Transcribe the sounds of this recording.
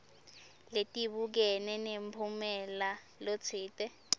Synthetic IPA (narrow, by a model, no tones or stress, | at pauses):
letʼiɓuk̬ɛnɛnempʰumɛla | lot͡sʰiːtʼɛ